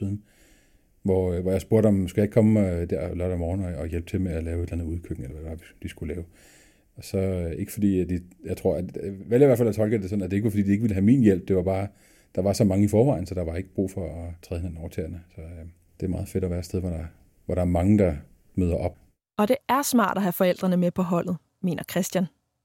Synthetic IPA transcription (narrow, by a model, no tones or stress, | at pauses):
iðˠn̩ | ʋɒʋɒjäɪsb̥o̝ɐ̰ɾ̥ɒ̽msɡ̥æje̝ɡ̥̚ʰkʰɒ̽md̥æɐ̰lɒd̥ɒmɒːn̩ɒːjelb̥t͡sʰe̝lmeælɛːʊe̝d̥lænð̩ˠuð̞ˠkʰøɡ̥ŋ̩elɐʋæd̥e̝ʋɑ̈ʋid̥isɡ̥ulɛːʊ | ɒ̽sɒ̽e̝ɡ̥ə̥fɒ̽d̥ḭːæd̥ijäɪt͡sʰʁo̝ɐ̰ʋeljɐiʋæɐfælæt͡sʰɒ̽lɡ̥əd̥e̝sɒ̽næd̥e̝e̝ɡ̥ʋfɒ̥ḭːd̥ie̝ɡ̥ʋiləɦæmḭːnjel̰b̥̚d̥e̝ʋɑ̈b̥ɑ̈ː | d̥ɑ̈ʋɑ̈sɒ̽mɑ̈ŋəifɒːʋɑ̈ɪ̰n̩sɒ̽d̥ɑ̈ʋɑ̈e̝ɡ̥əb̥ʁṵːfɒ̽ːt͡sʰʁɛðˠhe̝næn̩ɒʊt͡sʰɛ̰ːɐnəsɒ̽ | d̥e̝æmɑ̈ːð̞̩ˠfe̝ɾ̥ɒʋæːɐsd̥eð̞ˠʋɒɾ̥ɑ̈ | ʋɒɾ̥ɑ̈æɐmɑ̈ŋəd̥ɑ̈ | møð̞ˠɐʔɒ̽b̥ | ɒ̽d̥e̝æɐsmɑ̰̈ːd̥ɒɦæfɒ̽el̰d̥ʁɐnəmepʰɒ̽ɦɒ̽l̰ð̞̩ˠ | me̝̰ːnʔɐkʰʁɛsd̥jæn